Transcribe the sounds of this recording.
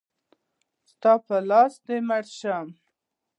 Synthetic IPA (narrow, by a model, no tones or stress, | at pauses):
st̪ɑpəlɑsd̪emaɽʃam